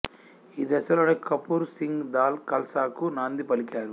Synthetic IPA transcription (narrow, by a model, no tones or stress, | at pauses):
iːd̪ɛsɐlo̞ːneːkɐpuːɾsiŋɡd̪aːlkɐlsaːkunaːnd̪ipɐlikaːɾu